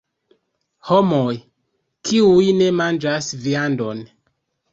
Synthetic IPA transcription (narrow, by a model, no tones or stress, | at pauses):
homoj | kʰiujne̞mand͡ʒasviando̞n